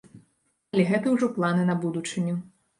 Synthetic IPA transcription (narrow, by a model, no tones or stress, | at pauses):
ɐlʲɛɣɛt̪ɐwʐɔplˠanɨnɐbud̪ut͡ʂɨnʲɛ